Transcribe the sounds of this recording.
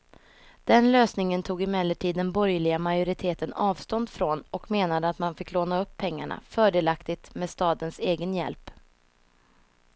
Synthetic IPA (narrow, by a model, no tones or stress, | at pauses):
d̪̥ɛnløːsnɪŋənt̪ʰuːɡɪmɛlːəʈʰiːd̪ːɛnbɔɾjlɪɡamajʊɾɪt̪ʰeːt̪ənɑːvst̪ɔnd̪fɾonɔkmeːnad̪əat̪manfɪkːloːnaɵpʰːɛŋːa̰ɳa̰fœːɖeːlakt̪ɪt̪meɛːd̪st̪ɑːd̪ənseːɡənjɛ̰lp